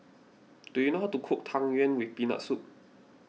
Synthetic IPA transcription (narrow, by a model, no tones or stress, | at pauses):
t̪uinɔɦɔt̪ukʰuk̚t̪ʰaŋjɛnwipina̰suk̚